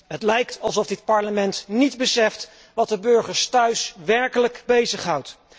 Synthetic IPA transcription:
ɦətlɛjktɑlˠsɔfdɪt̚pɑɹləmɛntnidbəsɛft | ʋɑt̚dəbɵɹχəɹstœɥsʋɛɹkələkbejzəχɦɑwt

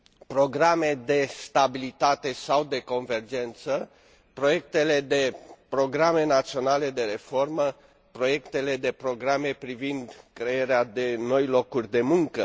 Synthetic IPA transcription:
pɾo̞ɡɾame̞d̪e̞st̪abilit̪at̪e̞sawd̪e̞ko̞nve̞rd͡ʒe̞nt̪sə | pɾo̞je̞k̚t̪e̞le̞d̪e̞pɾo̞ɡɾame̞nat̪sio̞nale̞d̪e̞ɾe̞fo̞rmə | pɾo̞je̞kt̪e̞le̞d̪epɾo̞ɡɾame̞pɾivind̪kɾeeɾead̪e̞no̞jlo̞kurʲd̪e̞muŋkə

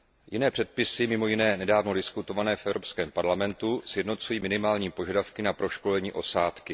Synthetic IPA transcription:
jɪnɛːpr̥ɛt̪̚pɪsɪmɪmo̞jɪnɛːnɛdaːvno̞dɪskut̪o̞vanɛːfʔɛvɾo̞pskɛːmpaɾlamɛnt̪usjɛdno̞t͡sujiːmɪnɪmaːlɲiːpo̞ʒadafkɪnapɾo̞ʃko̞lɛɲiːʔo̞saːt̪kɪ

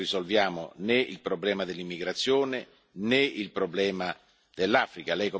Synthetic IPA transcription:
rizolvjaːmo̰nɛḭlpɾoblɛːmad̪elːimːiɡɾat̪sːjoːne | nɛilpɾoblɛːma | d̪̥elːaːfɾikalɛjko

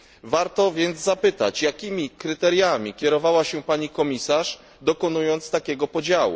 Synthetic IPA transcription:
vaɾt̪ɔvʲjɛnd̪zzapɘt̪a̰t͡ɕjakʲimʲikɾɘt̪ɛɾʲjamʲikʲjɛɾɔvawaɕɛpaɲikɔmʲisaʂ | d̪ɔkɔnujɔnt̪st̪akʲɛɡɔpɔd͡ʑawṵ

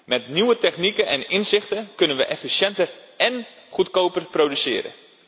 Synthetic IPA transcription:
mɛtniwətɛxnikəʔɛnɪnsɪxtəkønənʋəʔɛfisjɛntər | ɛn | χutkoːpərprowdysɪːɾə̰

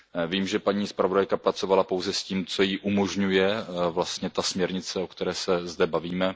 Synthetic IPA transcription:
viːmʒɛpaɲiːspɾavo̞dajkapɾat͡so̞valapo̞wzɛsciːmt͡so̞jiʔumo̞ʒɲujɛvlast̪ɲɛt̪asmɲɛɾɲɪt͡sɛo̞kt̪ɛɾɛːsɛzdɛbaviːmɛ

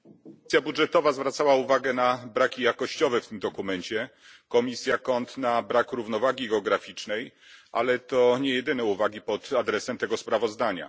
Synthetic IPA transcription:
sʲjabudʐɛt̪ɔvazvɾat̪sawauvaɡɛnabɾakʲijakɔɕt͡ɕɔvɛft̪ɘmd̪ɔkumɛɲt͡ɕɛ | kɔmʲisʲjakɔnt̪nabɾakɾuvnɔvaɡʲiɡɛɔɡɾafʲit͡ʂnɛj | ʔa̰lɛt̪ɔɲɛjɛd̪ɘnɛuvaɡʲipɔt̪ad̪ɾɛsɛmt̪ɛɡɔspɾavɔzd̪aɲa̰

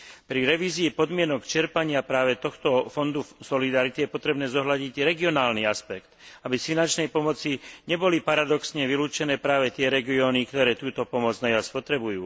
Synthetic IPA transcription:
pɾiɾɛʋiːziːpɔd̪mɪɛnɔkt͡ʃɛɾpaɲɪapɾaːʋɛt̪ɔxt̪ɔfɔnd̪usɔlid̪aɾit̪ijɛpɔt̪ɾɛbnɛːzɔɦlaɟiɟɾɛɡiɔnaːlniaspɛkt̪abisfinant͡ʃnɛjpɔmɔt͡siɲɛbɔlipaɾad̪ɔksɲɛʋiluːt͡ʃɛnɛːpɾaːʋɛt̪ɪɛɾɛɡiɔːnikt̪ɔɾɛːt̪uːt̪ɔpɔmɔd͡znaaspɔt̪ɾɛbujuː

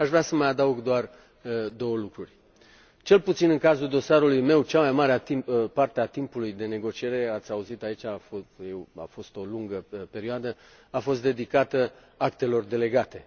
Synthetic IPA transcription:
aʃvɾeasəmajad̪əuɡd̪oar | d̪o̞wəlukɾurʲ | t͡ʃe̞lput̪sinɨŋkazuld̪o̞saɾulujme̞wt͡ʃamajmaɾeaipart̪eat̪impulujd̪e̞ne̞ɡo̞t͡ʃie̞ɾe̞at̪sʲauzit̪ait͡ʃʲafojewa̰fo̞st̪o̞luŋɡəpe̞ɾioad̪ə | afo̞s̬t̪d̪ed̪ikat̪ə | akt̪e̞lo̞rd̪e̞le̞ɡat̪e̞

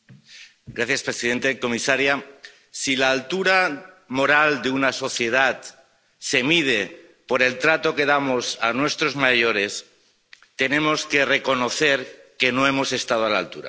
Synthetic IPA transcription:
ɡɾaθjaspɾesiðe̞nt̪e̞ko̞misaɾja | silaːlt̪uɾa | mo̞ɾald̪eunaso̞θje̞ð̞at̪ | se̞mið̞e̞ | po̞ɾe̞lt̪ɾat̪o̞ke̞ð̞amo̞sanwest̪ɾo̞zmaʝo̞ɾe̞s | t̪e̞nẽ̞mo̞ske̞re̞ko̞no̞θe̞ɾke̞no̞e̞mo̞se̞st̪að̞oala̰lt̪uɾa̰

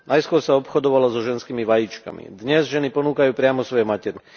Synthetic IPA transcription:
najskʊɔɾsaɔpxɔd̪ɔʋalazɔʒɛnskiːmiʋajit͡ʃka̰mḭd̪ɲɛzʒɛnipɔnuːkajuːpɾɪamɔsʋɔjɔmacɛɾi

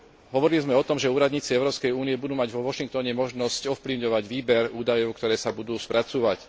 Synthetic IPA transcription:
ɦɔʋɔɾilizmɛɔt̪ɔmʒɛuːɾad̪ɲiːt͡siɛʊɾɔːpskɛjuːnijɛbud̪uːmaɟʋɔʋɔʃiŋk̚t̪ɔɲɛmɔʒnɔscɔfpliʊɲɔʋaɟʋiːbɛɾuːd̪ajɔʊkt̪ɔɾɛːsabud̪uːspɾʔat͡suːʋac

